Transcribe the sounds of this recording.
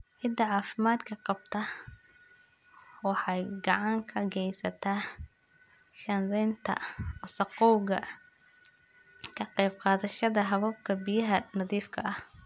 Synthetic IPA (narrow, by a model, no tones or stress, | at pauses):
ʕɪd̪ɐʕɑːfɪmaːd̪kʰɐqɑb̥̚t̪ʰɐ | wɑħɑjɡɑʕɑŋkʰɐɡɛjsɐt̪ʰaː | ʃɐnlɛːnt̪ʰɐ̰ɔsɑqɔwɣɐ | kʰɐqɛjbqɑːðɐʃɐðɐɦɐβɐb̚kʰɐbijɐɦɐnɐðiːfkʰɐʔɐh